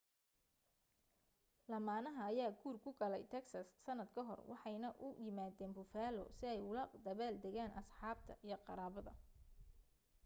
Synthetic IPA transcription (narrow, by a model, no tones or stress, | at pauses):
lɐmaːnɐɦɐːjaːɡʰuːrkʰʊɡɐlɛjt̪ʰɛksɐsːɐnːɐd̪kʰɐɦɔ̰rwʔɑ̰ħɑjnɐʔʊjɪmaːðɛːnbʊfaːlɔ̰sɪɛjʊlɐd̪ɐβaːld̪ɛɣaːnʔɐsħɑːb̚t̪ʰɐʔijɞqɑɾaːβɐðɐ